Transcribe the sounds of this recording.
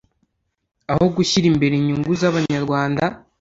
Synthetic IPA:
aho̞ɡuçiɾimbe̞ɾeɲuŋɡuzaβaɲaɾɡwaːnda

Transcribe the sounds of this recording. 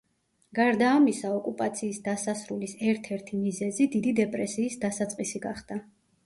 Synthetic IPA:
ɡ̥aɾd̪aːmisaɔkʼupʼat̪sʰiːsd̪asasɾulisɛɾt̪ʰɛɾt̪ʰimizɛzid̪id̪id̪ɛpʼɾɛsiːsd̪asat̪sʼqʼisiɡaχd̪̥a

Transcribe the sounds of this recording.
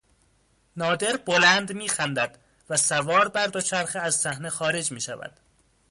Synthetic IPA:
nɒːd̪e̞ɾbolænd̪miːxænd̪æd̪̥ | væsævɒːɾbæɾd̪ot͡ʃʰæɾxeæzsæhne̞xɒːɾe̞d͡ʒmiːʃævæ̰d̪̥

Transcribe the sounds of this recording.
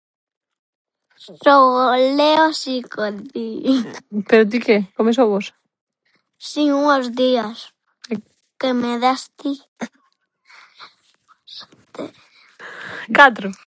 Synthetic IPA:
sowoleosikoði | peɾʊt̪ikekomes̬oβos | siuŋozðias | kemeðast̪i | t̪e | kat̪ɾʊ

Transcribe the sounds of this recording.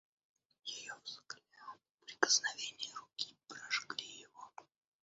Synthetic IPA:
jɪjozklʲat̪ | pɾʲɪkə̥snɐvʲenʲɪjəɾʊkʲipɾaʐɡɾʲijɪvo

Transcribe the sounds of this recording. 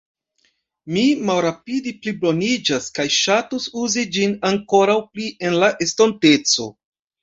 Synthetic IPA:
mimalɾapidiplibo̞nid͡ʒaskajʃatusuzid͡ʒinaŋko̞ɾawpliʔe̞nlaʔe̞stonte̞t͡so̞̰

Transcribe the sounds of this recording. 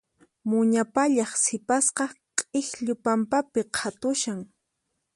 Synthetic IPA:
mʊɲapaʎɑχsɪpasqɑqʼɪxʎʊpampapɪqʰat̪ʊʃaŋ

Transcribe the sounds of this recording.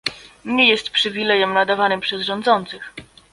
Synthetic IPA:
ɲejɛst̪pʂɘvʲilɛjɛmnad̪avanɘmpʂɛzʐɔnd̪zɔnt̪sɘx

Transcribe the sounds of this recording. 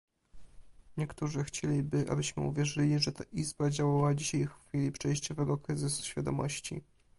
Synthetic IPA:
ɲɛkt̪uʐɘxt͡ɕelʲibɘʔa̰bɘɕmɘ̰uvʲjɛʐɘlʲiʐɛt̪aʔizbad͡ʑawawad͡ʑiɕajxfʲilʲipʂɛjɕt͡ɕɔvɛɡɔkɾɘzɘsu̥ɕfʲjad̪ɔmɔ̰ɕt͡ɕḭ

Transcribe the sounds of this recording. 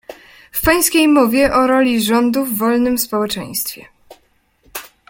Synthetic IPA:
fpaj̃skʲejmɔvʲjɛʔɔɾɔlʲiʐɔnd̪uvːɔlnɘmspɔwɛt͡ʂɛ̰j̃st̪fʲjɛ̰

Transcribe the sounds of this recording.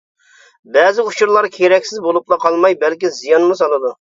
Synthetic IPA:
bɛzɪut͡ʃʰuɾlˠɑɾkʲʰeɾɛkʲsɪzbolˠuplˠɑqʰɑlˠmɑjbɛlkʲizijɑnmusɑlˠɨd̪u

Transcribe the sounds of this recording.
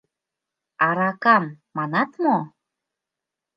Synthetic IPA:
ɑɾɑkɑmːɑnɑt̪mo

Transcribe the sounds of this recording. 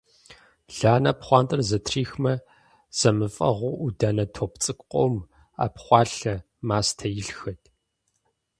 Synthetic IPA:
ɮaːnɐpχʷɑːntʼɨrzɐtʰriːxmɐ | z̥ɐmɨfʼɐ̰ʁʷʊʔudaːnɐtʰoːpt͡sʼɨkʷʼqʷʼo̰m | a̰ːpχʷɑːɬɐ | maːstʰɐjɪɬxɐtʰʼ

